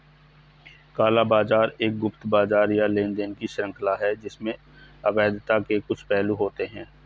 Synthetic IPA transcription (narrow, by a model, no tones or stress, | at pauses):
kaːlabaːzaːɾeːk̚ɡʊpt̪baːzaːɾjaleːnd̪eːnkiʃɾə̃ŋkʰlaɦɛd͡ʒɪsmẽ | ɐbɛːd̪t̪akekʊt͡ʃʰpɛːluɦoːt̪eɦɛ̃ː